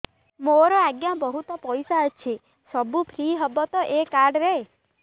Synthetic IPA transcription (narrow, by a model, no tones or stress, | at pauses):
moɾɔaɡjabɔɦut̪ɔpɔjsaət͡ʃʰi | sɔbupʰɾiɦɔbɔt̪ɔʔekaɾɖɾe